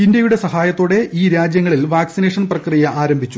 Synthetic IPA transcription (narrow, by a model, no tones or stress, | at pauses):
indjɐjuɽe̞sɐɦaːjɐt̪ːoːɽe̞ʔiːɾaːd͡ʑjɐŋːɐɭilʋaːksineːʂɐnprɐkrijɐʔaːɾɐmbʱit͡ɕːu